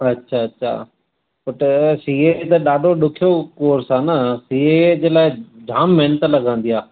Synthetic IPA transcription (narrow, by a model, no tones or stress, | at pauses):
ɐtːʃʰaːɐtːʃʰa̰ː | pɐʈsiːet̪ɐɗaːɖʱoɗʊkʰijokoːɾsãːnɐsiːed͡ʑeːlaːɪd͡ʑʱaːmːenət̪lɐɡʱãːnd̪ijaː